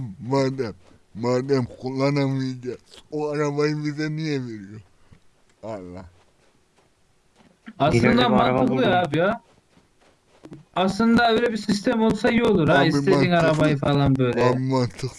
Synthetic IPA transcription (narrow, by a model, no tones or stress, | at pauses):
maɾd̪ɛmː | aɾd̪ɛmkʰulˠːanamɯiɟɛoaɾabajɯmbizɛnijɛveɾijo | alˠːa | aslˠɯnd̪amanɯklˠɯaːbija | slˠɯnd̪aøjlʲɛbisis̬t̪ʰɛmo̞lˠsajolˠuɾaist̪einaɾabajɯfalˠanbø̞jlʲemant̪ʰɯkˠ